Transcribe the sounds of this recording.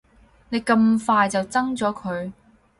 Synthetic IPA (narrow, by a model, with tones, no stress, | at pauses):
ne˨˧jkɐ˧mfaː˧jt͡sɐ˨wt͡sɐ˥ŋt͡sɔː˨˥kʰɵ˨˧ɥ